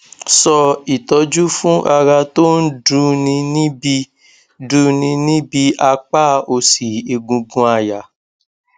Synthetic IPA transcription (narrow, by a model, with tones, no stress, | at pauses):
sɔ˧i˨tɔ˨˧d͡ʒu˦fũ˦ʔa˧ɾa˧to˦n̩˦du˦nĩ˧nĩ˦bi˧ | du˧˦nĩ˧nĩ˦bi˨˦ʔa˧k͡pa˦o˧si˨e˨ɡũ˧ɡũ˧a˧ja˨